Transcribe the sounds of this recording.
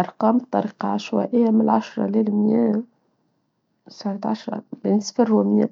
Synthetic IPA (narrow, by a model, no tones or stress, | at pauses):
ʔɑɾˤqɑːmbt̪ˤːɑɾiːqɑʕaʃwæ̰ʔɪjːamɪlʕaʃɾˤɑ̰lɪlmjæ | sɑɾt̪ʕaʃɾˤɑ̰bɪnsfɪrumjæ̰